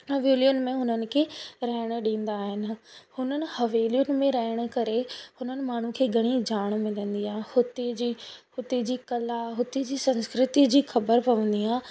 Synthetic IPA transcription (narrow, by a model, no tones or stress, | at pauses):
ɦɐʋeːljʊnɪ̆mẽɦʊnənɪ̆kʰeːɾɐɦɪɽ̃ɗĩːn̆d̪aːɦɪnɪ̆hʊnənɪ̆hɐʋeːlijʊnɪ̆mẽɾɐɦɪɽ̃̆kɐɾehʊnənɪ̆maːɳ̤ukʰeːɡʱɐɽ̃id͡ʑaːɽ̃mɪlə̃nd̪iaːɦɪ̃hʊt̪id͡ʑihʊt̪id͡ʑiːkɐlaɦʊt̪id͡ʑiːsɐ̃nskɾɪt̪id͡ʑiːxɐbəɾpɐʋə̃n̆d̪iaːɦɪ̃